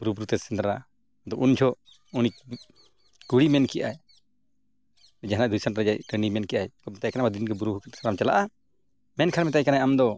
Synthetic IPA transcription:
buɾubɾut̪ɛsɛnd̪ɾa | d̪ɔʔund͡ʒʰɔʔ | uni | kuɽimɛnkɛjʔaɛ | d͡ʒaɦnaʔd̪ujsanʈɾad͡ʒaʔkənimɛnkɛʔaɛkɔmɛt̪ajkanamad̪inkɛbuɾubɾuk̪sɾamt͡ʃala̰ʔa | mɛnkʰaɾmɛt̪̬ajkanajamd̪ɔ

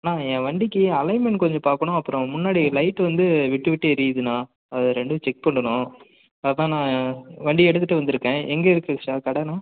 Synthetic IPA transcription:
nãːẽːʋɐɳɖɪkːɯɐlɐɪmɛɳʈkɔɲd͡ʒɔ̃paːɾkɐɳʊ̃ɐpːɯɾɔ̃mʊnːaːɽilɐɪʈːʋɐnd̪ɯʋɪʈːɯʋɪʈːɯɪɾijðɯnːaː | ɐðɯɾɛɳɖɯɯt͡ʃɛk̚pɐɳɖɐɳʊ̃ | ɐpːãːnãːʋɐɳɖiɛɽɯt̪ːɯʈːɯʋɐnd̪ɯɾɯkːẽːʔɛŋɡɐɪɾɯkːɯkʂaːkɐɽɐnaː

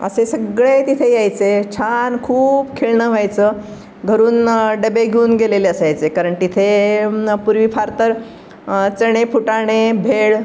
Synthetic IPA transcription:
ə̰sesəɡɭet̪it̪ʰejajt͡set͡ɕʰankʰuːbkʰeɭɳəːʋ̤ajt͡səː | ɡʱəɾuːnɖəbeɡʱeuːnɡeleleəsajt͡sekaɾəɳt̪it̪ʰe | puɾʋifʰaɾt̪əɾ | t͡səɽ̃epuʈaɽ̃ebʱeɭ

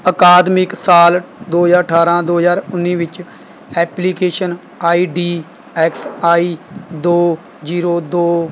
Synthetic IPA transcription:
əkaːd̪mɪksaːld̪oːzaːɾʈʰaːɾãːd̪oːɦəzaːɾʊnːĩːʋɪt͡ʃ | ɛːplikeːʃən | aːiːɖiː | ɛːksaːiːd̪oː | d͡ʒiːɾoːd̪oː

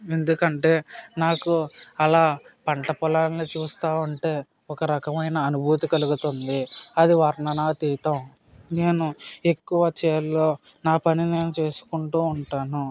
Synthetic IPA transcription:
e̞nd̪ukɐɳʈe̞ːnaːkuɐlaːpɐɳʈɐpɔlaːnnit͡ʃuːst̪aːʋɐɳʈe̞ː | ɔkɐɾɐkɐmɐjnɐːnubʱuːt̪ikɐluɡut̪ond̪iɐd̪iʋɐɾnɐnaːt̪iːt̪ɐm | ne̞ːnue̞kːuʋɐt͡ʃɛːɾlo̞ː | naːpɐnine̞ːnut͡ʃe̞ːsu̥kuɳʈuːuɳʈaːnu

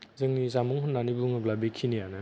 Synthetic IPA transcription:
zɯŋnizamɔŋhɯnːanibuŋɯblabekʰinijanɯ

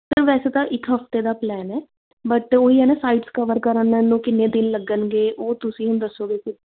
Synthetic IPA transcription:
t̪əɾʋɛːseːt̪ãːʔɪkɦəft̪eːd̪aːplɛːnɛː | bəʈoːiːɦɛːneːsaːiːɖskəʋəɾkəɾənːəːũːkɪnːẽːd̪ɪnləɡənɡeːʔoːt̪ʊsĩːɦəmd̪əsːoːɡekʊ

